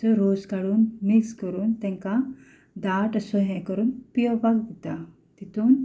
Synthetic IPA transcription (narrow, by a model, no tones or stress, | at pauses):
əɾoskaɽuːnmikskəɾuːnt̪ɛ̃ŋka | d̪aʈsɔɦɛ̃kəɾuːnpijɔbaɡd̪et̪a | t̪it̪uːn